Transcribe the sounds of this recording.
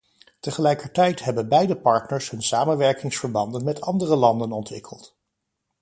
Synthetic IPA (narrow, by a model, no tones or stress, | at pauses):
təχəlɛjkəɹtɛjtɦɛbənbɛjdəpɑɹtnəɹsɦɵnsaːmənʋɛɹkɪŋsfəɹbɑndənmɛtɑndərəlɑndənɔntʋɪ̰kʰəlˠt